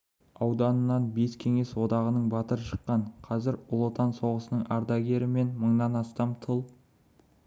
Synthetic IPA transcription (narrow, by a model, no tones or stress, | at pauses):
ɑwd̪ɑnənːɑnbe̞skʲʰe̞ŋe̞swo̞d̪ɑʁənəɴbɑt̪əɾəʃə̥qːɑɴqʰɑzɪɾʊlˠot̪ɑnso̞ʁəsənəɴɑɾd̪ɑɡʲe̞ɾɪme̞nməɴd̪ɑnɑst̪ɑmt̪ʰəlˠ